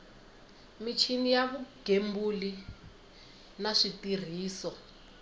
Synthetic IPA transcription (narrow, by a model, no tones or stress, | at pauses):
mit͡ʃʰinijaβuɡ̥ʱembuli | naʂitir̤iːsɔ